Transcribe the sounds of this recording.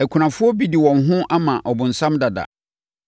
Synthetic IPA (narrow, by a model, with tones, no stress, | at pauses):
æ˨kʷʰu˨nã˨fʊ˦ɔ˦bi˦di˨wɔ̃˨nɦʊ̃˦ʔa˦mã̰˨ʔɔ˨bʊ̃˨n̩˨sã˦mda˨da̰˨